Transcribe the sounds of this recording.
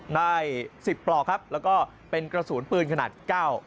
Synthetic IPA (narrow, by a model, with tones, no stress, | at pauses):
na˥˩jsi˨˩pːlɔː˨˩kʰa˦˥p̚lɛː˦˥wkɔː˥˩ | pe˧nkɾa˧suː˩˦npɯː˧nkʰa˧na̰ː˨˩t̪̚kaː˥˩w